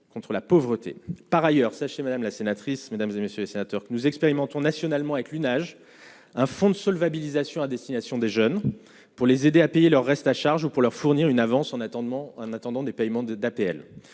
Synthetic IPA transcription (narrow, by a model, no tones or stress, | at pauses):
kɔ̃t̪χəlapɔvʁət̪ḛpaʁajœʁsaʃemad̪amlasenat̪χismed̪amzemesjølesenat̪œʁkənuzɛkspeʁimɑ̃t̪ɔ̃nasjɔnalmɑ̃avɛklynaʒ | ɛ̃fɔ̃d̪əsɔlvabilizasjɔ̃ad̪ɛst̪inasjɔ̃d̪eʒœn | puʁlezed̪eapejelœʁːɛst̪aʃaʁʒupuʁlœʁfuʁniʁynavɑ̃sɑ̃ɑ̃nat̪ɑ̃d̪ɑ̃d̪epɛjmɑ̃d̪apeɛl